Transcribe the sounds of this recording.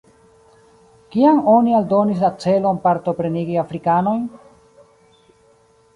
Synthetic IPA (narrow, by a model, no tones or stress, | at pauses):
kiaŋo̞nialdo̞nis̬lat͡se̞lo̞npaɾto̞pɾe̞niɡiafɾikano̞jn